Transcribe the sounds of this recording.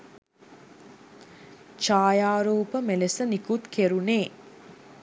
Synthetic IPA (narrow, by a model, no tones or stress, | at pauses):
t͡ʃaːjaːɾuːpəmelesənikut̪kʰeɾuneː